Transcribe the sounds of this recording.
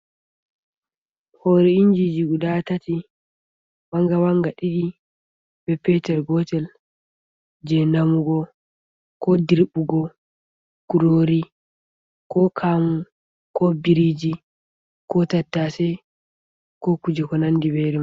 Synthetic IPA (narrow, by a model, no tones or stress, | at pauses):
hoɾɛiɲd͡ʒid͡ʒiɡuɗatati | waŋɡawaŋɡaɗiɗi | b̥ɛpɛtɛɾɡɔtɛl | d͡ʒɛnamuɡɔ | kɔdiɾbuɡɔ | kuɾoːɾi | kɔkʰamu | kɔbiɾid͡ʒi | kɔtatːasɛ | kɔkud͡ʒɛkɔnandibɛɾɛ